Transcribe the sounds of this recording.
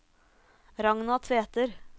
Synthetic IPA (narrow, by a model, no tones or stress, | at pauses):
ɾɑŋnɑt̪ʰʋeːt̪əɾ